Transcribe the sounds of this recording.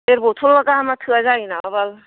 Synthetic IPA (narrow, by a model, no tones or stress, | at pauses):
eɾbot̪ʰolbakaɦamat̪ʰɯazainaabal